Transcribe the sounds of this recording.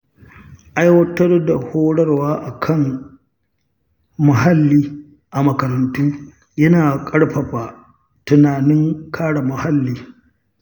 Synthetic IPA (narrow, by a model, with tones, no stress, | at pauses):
ʔa˦jwɐ˦tɐ˦rda˨hoː˦ɽɐ˦rwaː˦ʔa˨kʰɐ˦ŋ | mɐ˨ɦa˦lːiː˦ | ʔa˨mɐ˨kɐ˨ɾɐ˨ntuː˦ | jɐ˦naː˨kʼɐ˦ɽɸɐ˨ɸaː˨ | tʊ˨naː˨nɪ˦ŋkʰaː˦ɽa˨mɐ˨ha˦lːiː˦